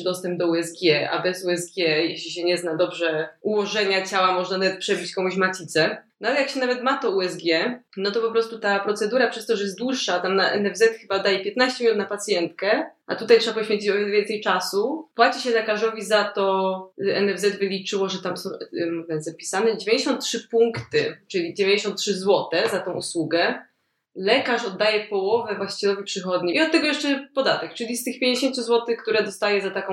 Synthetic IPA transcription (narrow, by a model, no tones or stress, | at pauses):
d̪ɔst̪ɛmb̚d̪ɔuɛzɡʲjɛa̰bɛzuɛzɡʲjɛjɛɕlʲiɕɛɲɛznad̪ɔbʐɛuwɔʐɛɲat͡ɕawamɔʐnanavɛt̪̚pʂɛʐɘt͡ɕkɔmuɕmat̪ʲit̪sɛnɔalɛjakɕɛnavɛt̪mat̪ɔuɛzɡʲjɛnɔt̪ɔpɔpɾɔst̪ut̪apɾɔt̪sɛd̪uɾapʂɛst̪ɔʐɛjɛsd̪wuʂːat̪amnaʔɛ̰nɛvzɛt̪xɘbad̪ajɛpʲjɛt̪naɕt͡ɕɛmʲinut̪napat̪sʲjɛnt̪kɛʔa̰t̪ut̪ajtʂɛbapɔɕfʲẽɲt͡ɕit͡ɕɔvʲjɛnvʲjɛnsɛjt͡ʂasupwat͡ɕiɕɛlɛkaʐɔvʲizat̪ɔʔɛnɛvzɛd̪vɘlʲit͡ʂɘwɔʐɛt̪amsɔ̃w̃mvɛzapʲi̥sanɛd͡ʑevʲẽɲd͡ʑeɕɔnt̪tʂɘpuŋkt̪ɘt͡ʂɘlʲid͡ʑevʲẽɲd͡ʑeɕɔ̃nt̪tʂɘzwɔt̪ɛzat̪ɔ̃w̃ʔṵswuɡɛ | lɛkaʂɔd̪ːajɛpɔwɔvɛvwaɕt͡ɕɛlɔvʲipʂɘxɔd̪ɲiiɔt̪ːɛɡɔjɛʂt͡ʂɛpɔd̪at̪ɛk̚t͡ʂɘlʲist̪ɘxpʲjeɲd͡ʑeɕẽnsʲuzwɔt̪ɘxkt̪uɾɛd̪ɔst̪ajɛzat̪akɔ̃